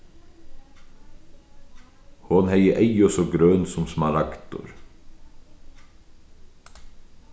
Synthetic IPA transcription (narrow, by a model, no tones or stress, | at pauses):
hɔnhæɪəʔæɪɔsɔɡɾøːnsɔmsmɑɾɑkt̪ʊ̰ɾ